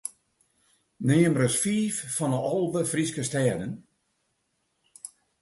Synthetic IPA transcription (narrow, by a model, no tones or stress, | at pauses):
nɪːəmrəsfiːfːɔnəɔlˠʋəfriskəstɛːdən